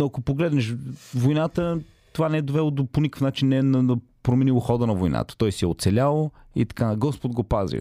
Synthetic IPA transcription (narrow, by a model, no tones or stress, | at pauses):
noɐkopoɡlɛd̪nɛʃvojnat̪ə | t̪ovanɛɛd̪ovɛlˠod̪oponikəfnat͡ʃinːɛnɐnɐ | pɾomɛnilˠoxɔd̪ənɐvojna̰t̪ə̥t̪ɔjsiɛo̰t̪sɛlʲalˠoit̪ɐ̥kaɡɔspod̪ɡopazvḭ